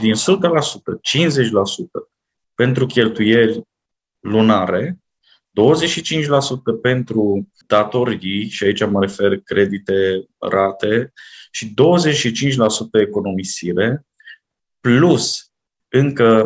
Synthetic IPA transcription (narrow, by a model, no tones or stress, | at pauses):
d̪insut̪əlasut̪ət͡ʃinze̞t͡ʃʲlasut̪ə | pe̞nt̪ɾukʲe̞lt̪uje̞rʲ | lunaɾe̞ | d̪̥o̞wəzet͡ʃʃit͡ʃint͡ʃʲlasut̪əpe̞nt̪ɾu | d̪̥at̪o̞ɾijʃiait͡ʃaməɾe̞fe̞rkɾe̞d̪it̪e̞ | rat̪e̞ʃid̪o̞wəze̞t͡ʃʃit͡ʃint͡ʃʲlasut̪əeko̞no̞misiɾe̞ | plus | ɨŋkə